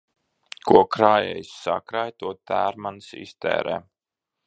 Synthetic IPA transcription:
kʰuɔkɾaːjɛ̰jssa̰kɾajt̪uɔt̪æːɾmansḭst̪ɛ̰ːɾɛ̰ː

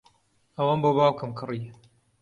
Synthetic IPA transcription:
ɐwanboːbaːwkɨmkʰɨri

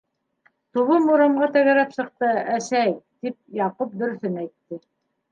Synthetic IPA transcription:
t̪uβɤmuɾɤ̆mʁɑt̪æ̆ɣæɾæpsɤ̆q̚t̪ɤæʃæjt̪ip̚jɑqup̚d̪ɵ̆ɾɵ̆θɵnæjt̪ːɘ

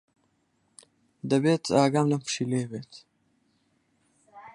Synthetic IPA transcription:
d̪ɐbeːt̪ʰaːɡaːmlɐmpʂileːbeːt̪

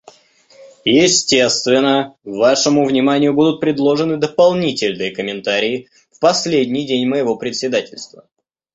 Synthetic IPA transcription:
jɪsʲtʲe̞st̪vʲɪnːəvaʂəmʊvnʲɪmanʲɪjʊbud̪ʊt̪̚pɾʲɪd̪lˠo̞ʐɨnɨd̪əpɐlˠnʲitʲɪlʲnɨjəkəmʲɪnt̪aɾʲɪɪ | fpɐsʲlʲedʲnʲɪjdʲenʲməjɪvo̞pɾʲɪt̪sʲɪd̪atʲɪlʲst̪və

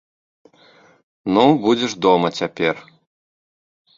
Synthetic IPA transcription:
nubud͡zʲɛʐd̪ɔmɐt͡sʲapʲɛr

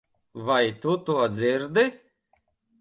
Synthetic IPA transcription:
vajt̪ut̪uɐd̪zɪɾd̪ɪ

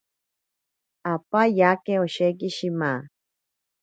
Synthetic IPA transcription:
apajakeoʃek̬iʃimã

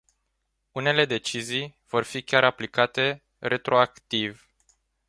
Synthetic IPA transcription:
une̞le̞d̪e̞t͡ʃizijv̥o̞rfikʲaɾaplikat̪e̞ | re̞t̪ɾo̞akt̪iv

